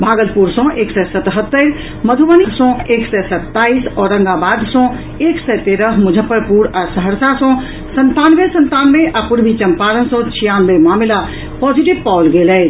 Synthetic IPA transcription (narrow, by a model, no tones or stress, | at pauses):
bʱaːɡəlpuɾsɔ̃ʔeːksɛsət̪ɦət̪ːəɾ | məd̪ʱuʋənisɔ̃eːksɛsət̪ːaːisɔːɾːə̃ŋɡabaːd̪sɔ̃ | eːksɛt̪eɾəɦmʊd͡ʒʱəpːəɾpuɾasəɦəɾsasɔ̃ | sənt̪aːnʋesə̃nt̪aːnʋeʔapuɾbʱit͡ʃəmpaːɾənsɔ̃t͡ʃʰijanʋemaːmla | pɔːd͡ʒiʈibpaʊlɡelɛː